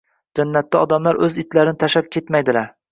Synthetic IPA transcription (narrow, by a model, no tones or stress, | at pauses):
d͡ʒanːat̪ːaɒd̪amlaɾɵzɪt̪laɾɪnɪt̪ʰaʃap̚kʲʰet̪majd̪ɪlaɾ